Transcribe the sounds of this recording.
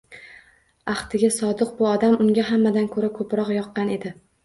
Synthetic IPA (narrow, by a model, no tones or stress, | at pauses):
ɑχt̪ʰɪɡʲasɒd̪ɨq̚bʊɒd̪amʊŋɡʲaɦamːad̪ankʰɵɾakʰɵpɾɒqjɒqːɑne̞d̪ɪ